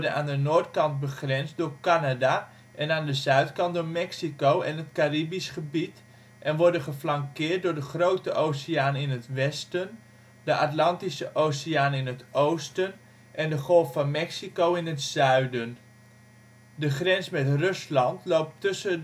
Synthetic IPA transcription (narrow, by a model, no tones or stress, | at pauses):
dəna̰ːndənoːɹtkɑnt̚bəχrɛnsdʊːɹkanada | ʔɛnaːndəzœɥtkɑntdoːɹmɛksikowɛnətkaribisχəbit | ʔɛnʋɔɹdənχəflɑŋkɪːrt̚dʊːɹdəχrowtəʔowsiaːnɪnətʋɛstən | dəʔatlɑntisəʔowsiaːnɪnətʔowstən | ʔɛndəχɔlˠffɑnmɛksikowɪnətzœɥdən | dəχrɛnsmɛtrɵslɑntlowp̚tɵsə